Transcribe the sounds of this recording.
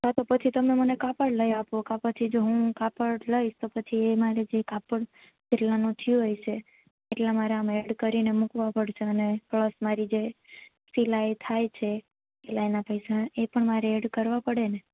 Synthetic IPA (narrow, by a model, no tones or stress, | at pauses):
ɦat̪opət͡ʃʰit̪əmemənekapəɽləjapokapət͡ʃʰid͡ʒoɦũkapəɽləiʃt̪opət͡ʃʰiemaɾed͡ʒekapəɽ | t͡ʃɪʈlanũt̪ʰjũɦojt͡ʃʰe | eʈlamaɾeəmeɽkəɾinemukʋapəɽʃeənepləsmaɾid͡ʒe | silajt̪ʰajt͡ʃʰe | elanapəjsaepəɳmaɾeeɽkəɾʋapəɽene